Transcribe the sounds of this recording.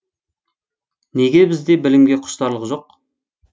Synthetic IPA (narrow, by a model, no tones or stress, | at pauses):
neɡʲe̞bɪzd̪e̞bɪlɪmɡʲe̞qʰʊ̥ʃt̪ɑɾlˠəʁqʒo̞q̚